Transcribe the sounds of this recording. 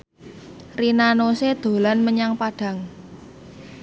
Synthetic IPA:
rinanosed̪̥o̤lanməɲaŋpaɖ̥ä̤ŋ

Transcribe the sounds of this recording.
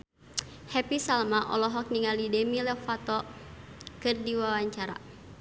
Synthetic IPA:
hɛpisalmaʔɔ̰lɔɦɔk̚niŋalidɛmilɛfat̪ɔ | kɨrdiwawaɲt͡ʃaɾa̰

